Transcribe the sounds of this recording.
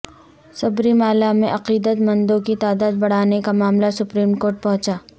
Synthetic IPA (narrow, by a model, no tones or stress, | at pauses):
sɐbɾiːmaːlamẽʔɐqiːd̪ət̪mɐ̃nd̪õkit̪aːd̪aːd̪̚bɐɽ̤aːnekamaːmlasʊpɾiːmkoːɾʈ̚pɐɦʊ̃t͡ʃaː